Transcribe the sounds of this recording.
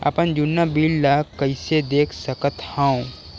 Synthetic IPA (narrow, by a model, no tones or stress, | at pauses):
ɐ̰pənd͡ʒʊnːabiːllakːəɪsed̪eːkʰsəkət̪hãũ